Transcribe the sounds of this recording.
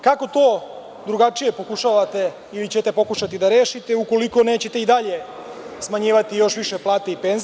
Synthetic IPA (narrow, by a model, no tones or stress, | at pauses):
kako̞t̪o̞ː | d̪ɾuɡat͡ʂije̞po̞kuʃaːʋat̪e̞ | ilit͡ɕet̪e̞po̞kuʃat̪id̪aɾe̞ːʃit̪euko̞liko̞ne̞ːt͡ɕe̞t̪e̞id̪aʎe̞ | smaɲiːʋat̪ijo̞ʃʋiʃeplˠaːt̪eipenz